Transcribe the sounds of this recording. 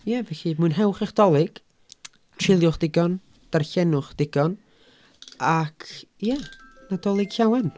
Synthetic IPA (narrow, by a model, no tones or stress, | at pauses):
jɛvɛɬimɨɨnɦɛwχɛχd̥ɔlˠɨɡ̥ | tʰrɪlˠjʊχd̥ɪɡɔn | d̥arɬɛnʊχd̥ɪɡɔn | akʰjɛnadɔlˠɨɡ̥ɬawɛn